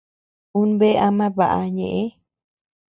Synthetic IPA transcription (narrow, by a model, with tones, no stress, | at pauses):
ũ˦nbe˦ʔa˧mã˦βa˨ʔa̰˧ɲẽ˨ʔẽ˦